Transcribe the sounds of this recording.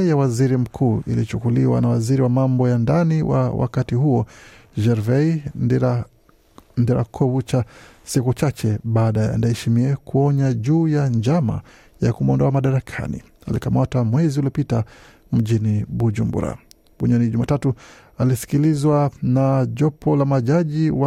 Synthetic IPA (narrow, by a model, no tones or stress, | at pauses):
jawaziɾim̩kʰuːʔḭlit͡ʃukuliwa̰nawaziɾiwamambɔjandaniwʔa̰wʔa̰katihuɔʒɛɾvɛ | ndɛɾa̰kʰɔvut͡ʃasikut͡ʃat͡ʃɛɓaːɗaja̰ndaɛʃimiɛkuɔɲaʄuːjand͡ʒama̰ | jakumɔndɔamaɗaɾakʰa̰nḭ | alikamatamwɛziuliɔpita | m̩ʄiniɓud͡ʒumbṵɾa̰ | ɓuɲɔniʄumaːtatu | alisi̥kilizwanaʄɔpʰɔlamaʄaʄiwa